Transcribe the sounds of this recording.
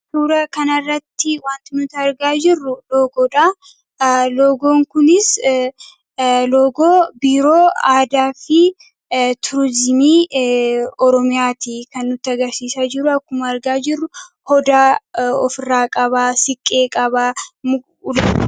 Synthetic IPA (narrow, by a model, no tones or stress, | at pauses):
suːɾɐkɐnɐrːɐt̪ːɪwaːnt̪ɪnʊt̪ɐɐɾɡaːd͡ʒɪrːʊloːɡoːᶑa | loːɡoːŋkʊnɪs | loːɡoːbiːɾo̞ːaːd̪aːfɪ | t̪ʰʊɾzɪmiː | ɔɾɔmɪjaːt̪ikɐnːʊt̪ːɪɐɡɐɾsiːsaːd͡ʒɪɾʊɐkːʊmɐɐɾɡaːd͡ʒɪrːʊ | hɔd̪aːɔ̰fɪrːaːkʼɐβaːsɪkʼːe̞ːkʼɐbamʊ | l